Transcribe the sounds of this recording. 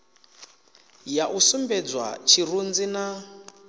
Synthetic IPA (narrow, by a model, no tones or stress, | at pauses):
jaʔusumbɛd͡zwa̰t͡ʃʰirund͡zina